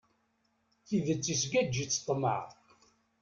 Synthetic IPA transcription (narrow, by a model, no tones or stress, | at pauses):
θiðət͡sːisɡæd͡ʒːit͡sːə̥t̪ˤːmə̰ʕ